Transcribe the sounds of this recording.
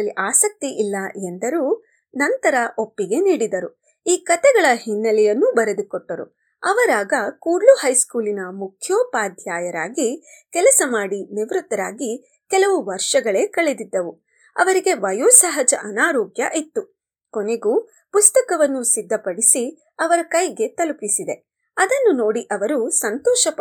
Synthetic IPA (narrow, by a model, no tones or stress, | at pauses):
lːiʔaːsɐk̚t̪iʔilːɐend̪ɐɾuː | nɐnt̪ɐɾɐʔopːiɡe̞niːɽid̪ɐɾu | iːkɐt̪ɛɡɐɭɐɦinːɐlɛjɐnːubɐɾed̪ukɔʈːɐɾṵ | ɐʋɐɾaːɡɐkuːɾluhɐjskuːlinɐmukʰjoːpaːd̪ʱjaːjɐɾaːɡi | kɛlɐsɐmaːɽiniʋɾut̪ːɐɾaːɡi | kɛlɐʋuʋɐɾʂɐɡɐɭe̞ːkɐɭed̪id̪ːɐʋu | ɐ̰ʋɐɾiɡe̞ʋɐjoːsɐɦɐd͡ʒɐʔɐnaːɾɔːɡjɐ̰ʔet̪ːu | kone̞ɡuː | pust̪ɐkɐʋɐnːusid̪ːɐpɐɽisi | ɐʋɐɾɐkɐjɡe̞t̪ɐlupisid̪e̞ | ɐd̪ɐnːuno̞ːɽiʔɐʋɐɾusɐnt̪ɔːʃɐp